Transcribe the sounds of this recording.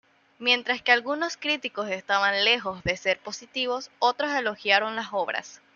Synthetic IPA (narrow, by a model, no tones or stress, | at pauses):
mje̞nt̪ɾaskealɣuno̞skɾit̪iko̞se̞st̪aβanle̞xo̞zðe̞se̞ɾpo̞sit̪iβo̞so̞t̪ɾo̞se̞lo̞xjaɾo̞nlaso̞β̞ɾa̰s